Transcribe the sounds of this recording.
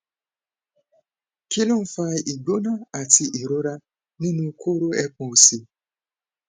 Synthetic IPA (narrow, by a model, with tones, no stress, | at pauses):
ki˦lo˦m̩˦fa˦ʔi˨ɡ͡bo˦na˦a˨ti˧˨ʔi˨ɾo˦ɾa˦ | nĩ˦nũ˦kʰo˦ɾo˦ɛ˦kɔ̃˨o˨si˨